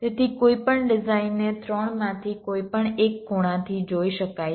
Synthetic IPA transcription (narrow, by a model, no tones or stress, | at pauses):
t̪et̪ʰikoipəɳɖɪzainːet̪ʰɾɔɳmãt̪ʰikoipəɳekɡoɽ̃ãt̪ʰid͡ʒoiʃəkaj